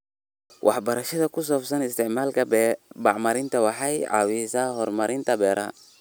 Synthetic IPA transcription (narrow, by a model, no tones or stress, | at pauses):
wʔɑ̰ħbɐɾɐʃɐðɐkʰʊs̬ɔːbsɐnɪst̪ʰɪʕmaːlkʰɐbɑʕmɐɾɪnt̪ʰɐwɑħɑjʕɑ̰ːwisɐhɔrmɐɾʔɪnt̪ʰɐbɛːɾʔɐ